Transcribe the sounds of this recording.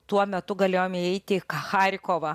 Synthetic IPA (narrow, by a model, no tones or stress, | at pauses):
t̪uɔmʲɛt̪ʊɡɐlʲeːjoːmʲɪɛɪt̪ʲɪkɐxɑːɾʲɪkoːʋɐ